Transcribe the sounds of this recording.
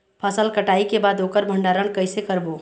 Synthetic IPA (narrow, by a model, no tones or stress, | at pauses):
pʰəsəlkəʈaːikebaːd̪oːkəɾbʱə̃ɳɖaːɾənkəɪsekəɾboː